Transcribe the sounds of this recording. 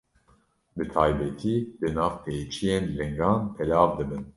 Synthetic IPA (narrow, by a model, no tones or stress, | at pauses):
bɨt̪ʰɑːjbɛt̪ʰiːd̪ɨnɑːvpʰeːt͡ʃʰijeːnlɛŋɡɑːnpʰɛlɑːvd̪ɨbɨn